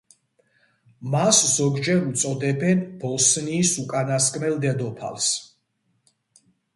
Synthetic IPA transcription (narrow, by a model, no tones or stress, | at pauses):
maszɔɡd͡ʒɛɾut̪sʼɔd̪ɛbɛnbɔsniːsukʼanaskʼmɛld̪ɛd̪ɔpʰa̰lˠs